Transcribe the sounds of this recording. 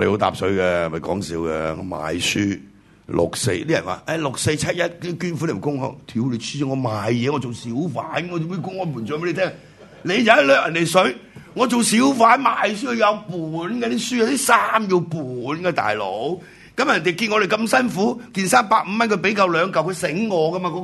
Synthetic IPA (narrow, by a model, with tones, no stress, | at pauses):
de˨ho˨˧˥t̪a̰ː˧p̚sɵ˨ɥkɛ˧˨˩mɐ˨jkɔː˨˥ŋsḭː˨˥wkɛ̰ː˧ŋɔ̰˨˧ma̰ː˨jsyː˥ | lʔʊ̰˨k̚sḛ˧jt̪iː˥jɐ̰˨˩nwa̰ː˨˩ʔɛ˧˩lʊ˨k̚se˧jt͡sʰɐ˥t̚jɐ˥t̚ki˥kyː˥nfu˧˥le˨˩m˨˩kʊ˥ŋhɔ̰˧˩wt̪ʰi˨˥wle˨˧sy˥˨ŋɔː˨˧maː˨jjɛː˨˧ŋɔ˨˧t͡so˨wsiː˨˥wfaː˨˥n˨ɔ˨˧m˥˧˩kʊ˥ŋhɔ˨˧˩mu˨˩nt͡sːe˧˥e˧t̪ʰɛ˥ŋ | le˨˧jja˨˦ɐ˥lœː˨k̚jɐ˨˩nt̪e˨˩jsɵ˨˥ɥŋɔː˨˧t͡so˨wsiː˨˥wfaː˨˥nmaː˨js̬yː˥kʰɵ˧jɐ˨˧wpuː˨˩nkɛː˧t̪iː˦˥syː˥ja˨˧wt̪i˥saː˥mji˧wpuː˨˩nkɛː˧t̪a̰ː˨jlo̰˨˥w | kɐ˨˦˥mjɐ˨˩nt̪e˨˩wki˧nŋɔː˨˧ɾe˨jkɐ˧msɐ˥nfuː˨˥kiː˧nsaː˥mpaː˧k̚m̩˧mɐ˥nkʰɵ˧ɥpe˨˧˥jka˧wlœː˨˧ŋkɐ˨˩wkʰɵ˧sɪ˨˥ŋːɔː˨˧kɐ˥ma˧kɔ˧